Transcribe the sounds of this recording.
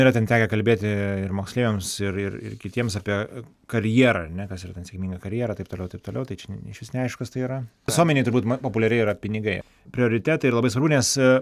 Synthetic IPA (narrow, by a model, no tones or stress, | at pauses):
iɾɐtʲɛnt̪ʲæːkʲɛkɐlʲbʲeːt̪ʲɪɪrmoːksʲlʲeːʋʲeːmsɪrɪ̰rɪ̰rkʲɪt̪ʲiɛmsɑːpʲiɛ | kɐɾʲjiɛɾɐɐɾnʲɛkɐsiːɾɐt̪ʲɛnsʲɛkʲmʲiːŋɡɐkɐɾʲjiɛɾɐt̪ɐɪpt̪oːlʲɛʊt̪ɐɪpt̪oːlʲɛʊt̪ɐɪt͡ʃʲɛnɪʃʲʋʲɪsnʲɛɐɪʃkɐst̪ɐɪiːɾɐ | ɪsuɔmʲɛnʲeɪt̪ʊɾbutmɐpoːpʊlʲɛɾʲɛɪiːɾɐpʲɪnʲɪɡɐɪ | pʲɾʲɪoːɾʲɪt̪ʲæːt̪ɐɪɾlˠɐbɐɪsʋɐɾbʊnʲɛs